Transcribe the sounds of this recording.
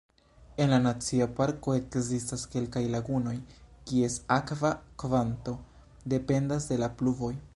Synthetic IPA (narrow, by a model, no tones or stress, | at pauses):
e̞nlanat͡siapaɾko̞e̞kzistaske̞lkajlaɡuno̞jkie̞sakvakvanto̞ | de̞pe̞ndasde̞lapluvo̞j